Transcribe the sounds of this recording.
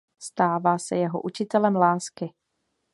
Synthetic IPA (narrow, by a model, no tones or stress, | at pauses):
st̪aːvaːsɛjɛɦo̰ʔut͡ʃɪt̪ɛlɛmlaːskɪ